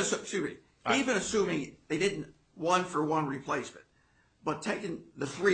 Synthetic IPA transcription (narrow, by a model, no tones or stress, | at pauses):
ɨsʌsʉ | ivɨ̃nɨsʉ̃mɪ̃ŋðeɪdɪdⁿn̩ʔ | wɑ̃nfə˞wʌ̃nɹipʰl̥eɪsmɨ̰̃n | b̥ʌtʰeɪkɪ̃ŋðɨθɹi